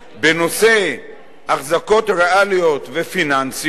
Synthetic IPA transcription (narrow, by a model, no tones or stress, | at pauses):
beno̞se̞ | aχzako̞tʁealijo̞t̪vefinans